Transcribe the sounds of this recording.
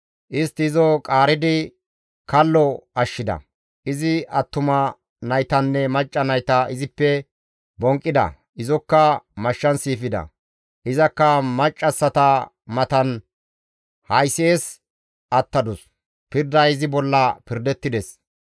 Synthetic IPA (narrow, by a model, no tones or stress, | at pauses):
ʔɪst̪ɪɪzɔkʼaːɾɪd̪ɪ | kʰɐlːɔɐʃːɪd̪ɐ̰ | ʔɪzɪɐt̪ːʊmɐ | nɐjt̪ɐnːɛmɐt͡ʃʼːɐnɐjt̪ɐɪzɪpːɛ | bɔŋkʼːɪd̪ɐ̰ | ʔɪzɔkːɐmɐʃːɐnsiːfɪd̪ɐ̰ | ʔɪzɐkːɐmɐt͡ʃʼːɐsːɐt̪ɐ | mɐt̪ɐn | hɐjseːs | ʔɐt̪ːɐd̪ʊs | pɪɾd̪ɐɪzɪbɔlːɐpɪɾd̪ɛt̪ːɪd̪ɛs